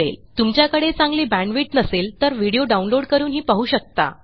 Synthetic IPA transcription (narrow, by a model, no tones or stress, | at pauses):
ḛlt̪umt͡ɕjakəɽet͡sãŋɡliːbæ̃ɳɖʋiːʈnəselt̪əɾʋiɽijoɖaunloɽkəɾuːnɦiːpaɦuːɕək̚t̪a̰